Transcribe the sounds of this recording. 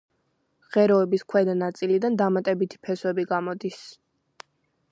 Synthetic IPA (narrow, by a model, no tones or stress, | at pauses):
ʁɛɾɔɛbiskʰwɛd̪anat̪sʼilid̪and̪amat̪ʼɛbit̪ʰi̥pʰɛswɛbiɡamɔd̪is